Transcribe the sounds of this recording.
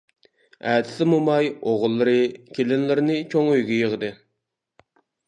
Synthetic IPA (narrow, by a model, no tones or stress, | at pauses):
æːt̪ʰɪ̥sɪmumɑjoʁʊlˠːɨɾɨkʲʰelɪnlɪɾɪnɨt͡ʃʰoŋøjɡʲɛjəʁəd̪ɨ